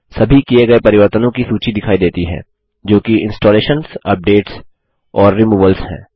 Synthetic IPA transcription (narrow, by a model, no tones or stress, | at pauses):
sɐbʱikieɡɐepɐɾɪʋəɾt̪ənõkisuːt͡ʃid̪ɪkʰaːid̪eːt̪iɦɛ̰̃ː | d͡ʒoːkiɪ̃nsʈɔːleːʃənsɐp̚ɖeːʈs | ɔːɾːimuːʋəlshɛ̰̃ː